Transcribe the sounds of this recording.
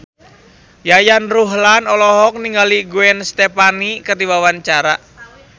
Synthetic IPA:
jajanruɦlanɔlɔɦɔk̚niŋɡaliɡuɛnst̪epanikət̪iwawant͡ʃaɾa̰

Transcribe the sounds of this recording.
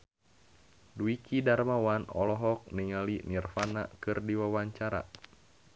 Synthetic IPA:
duikidarmawanɔ̰lɔɦɔk̚niŋalinirfana̰kɨrdiwawaɲt͡ʃaɾa̰

